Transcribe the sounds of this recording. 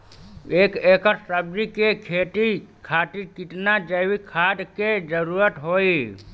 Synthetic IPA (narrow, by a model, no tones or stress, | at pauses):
eːkekəɾsəb̚d͡ʒikekʰeʈikʰaʈikiʈnad͡ʒəwikʰad̪ked͡ʒəɾuɾət̪ɦoi